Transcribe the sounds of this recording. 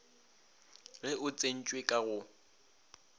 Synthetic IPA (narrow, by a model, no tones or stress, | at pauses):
ɣɛʔʊt͡sʼen̩t͡ʃʼwekʼaɣʊ